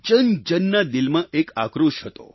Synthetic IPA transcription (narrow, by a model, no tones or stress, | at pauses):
t͡ʃənd͡ʒənːad̪ilmãʔekakɾuʃɦət̪o̰